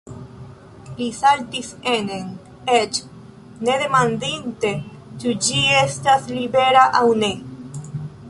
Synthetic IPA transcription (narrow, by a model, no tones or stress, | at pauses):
lisalt̪isenen | et͡ʃ | ne̞ðe̞mand̪int̪e̞ | t͡ʃud͡ʒiest̪aslibeɾaʔawne̞